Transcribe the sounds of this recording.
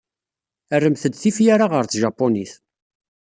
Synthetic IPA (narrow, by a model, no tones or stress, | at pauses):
ərːəmθəd̪θifjaɾaʁəɾt͡sʒɑpːoniθ